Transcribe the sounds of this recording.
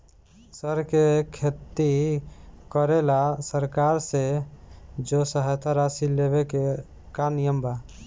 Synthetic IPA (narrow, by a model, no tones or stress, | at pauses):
səɾkekʰet̪ːi | kəɾelasəɾkaɾse | d͡ʒosəɦajt̪ʰaɾasilːebeke | kanijəmba